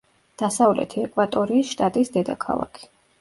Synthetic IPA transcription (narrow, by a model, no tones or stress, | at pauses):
d̪̥asavlɛ̰t̪ʰiɛkʼwat̪ʼɔɾiːsʃt̪ʼat̪ʼisd̪ɛd̪akʰa̰lˠa̰kʰi̥